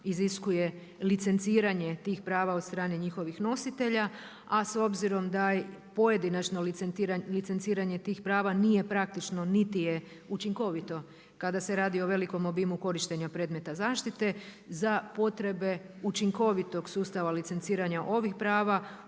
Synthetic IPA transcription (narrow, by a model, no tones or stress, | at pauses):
iziskuje̞ | lit̪se̞nt̪siːɾaɲe̞t̪iːxpɾaːʋaot̪st̪ɾaːneɲixo̞ʋixno̞sit̪e̞ʎa | aso̞bziɾo̞md̪apo̞jed̪inat͡ʃnoɾalitse̞nt̪siːɾaɲe̞t̪iːxpɾaːʋanije̞pɾak̚t̪it͡ʃno̞nit̪ije | ut͡ʃiŋko̞ʋit̪o̞ | kad̪ase̞ɾaːd̪io̞ʋe̞liko̞mobimuko̞ɾiʃt̪e̞ɲapɾe̞ːd̪me̞t̪azaːʃt̪it̪e̞zapo̞t̪ɾe̞be̞ut͡ʃiŋko̞ʋit̪o̞ɡsuːst̪aʋalit̪se̞ntsiːɾaɲaʔo̞ʋixpɾaːʋa